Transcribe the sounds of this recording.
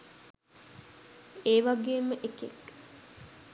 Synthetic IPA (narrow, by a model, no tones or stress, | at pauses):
eːʋaɡeːməʔekḛk